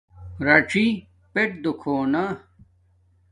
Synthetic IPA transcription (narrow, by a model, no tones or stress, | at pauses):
ɾɐʈ͡ʂi | peʈ̚d̪ukʰoːna